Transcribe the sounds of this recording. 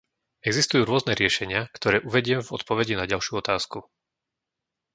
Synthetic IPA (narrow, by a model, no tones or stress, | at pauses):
ɛɡzist̪ujuːɾʊɔznɛɾɪɛʃɛɲɪakt̪ɔɾɛːʔuʋɛɟɪɛmvɔt̪pɔʋɛɟinaɟalʃuɔt̪aːsku